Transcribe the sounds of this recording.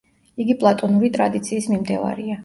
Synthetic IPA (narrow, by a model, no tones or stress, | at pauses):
iɡipʼlˠat̪ʼɔnuɾit̪ʼɾad̪it̪sʰiːsmimd̪ɛva̰ɾia